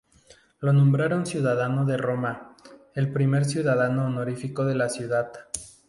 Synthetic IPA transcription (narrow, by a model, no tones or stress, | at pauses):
lo̞nõmbɾaɾo̞nsjuðaðano̞ðe̞ro̞mae̞lpɾime̞ɾsjuðaðanoːnoɾifiko̞ðe̞lasjuðað